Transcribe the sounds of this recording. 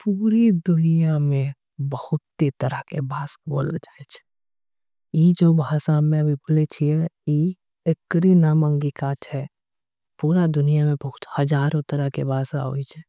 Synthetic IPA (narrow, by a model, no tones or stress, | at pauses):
puːɾid̪ʊnijamẽ | bəhʊt̪ːet̪əɾəkebʱaːsboːld͡ʒaːet͡ʃʰɛ̥ | jid͡ʒobʱaːsamẽbʱibʊlet͡ʃʰiɛi | ekəɾinamə̃ŋɡikat͡ʃʰɛ | puːɾad̪ʊnijamẽbəɦʊt̪həd͡ʒaːɾõt̪əɾəɦkebʱaːsaɦo̰ːit͡ʃʰɛ